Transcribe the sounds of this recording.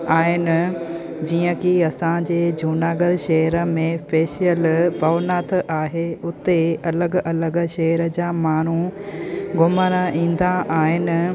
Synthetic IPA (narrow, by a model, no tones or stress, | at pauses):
aːɦɪnɪ̆ | d͡ʑiːə̃kiɐsãd͡ʑeːd͡ʑʱuːnaːɡəɾʃɐɦəɾəmẽfeːʃijəlbʱɐːʋnaːt̪ʰʔaːɦeʊt̪eɐləɡɐləɡʃɐɦəɾə̆d͡ʑaːmaːn̤u | ɡʱʊməɾəĩːn̆d̪aʔaːɦɪnɪ̆